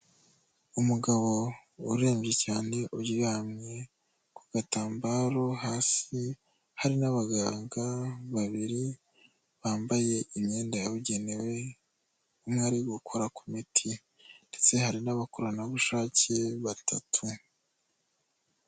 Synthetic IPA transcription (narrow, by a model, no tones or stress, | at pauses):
umuɡaβo̞uɾe̞ːmʒe̞caːne̞ʔuɟiɡaːmɲe | kuɡ̥ataːmbaːɾo̞haːsi | haɾinaβaɡaːŋɡaβaβiɾi | βaːmbaje̞ʔimɲe̞ːndaaβuɟe̞newe̞ | umŋaɾiɡukʰo̞ɾakumitʰi | nd̥e̞t͡se̞haɾinaβakoɾanaβuʃaːce̞βatʰatʰu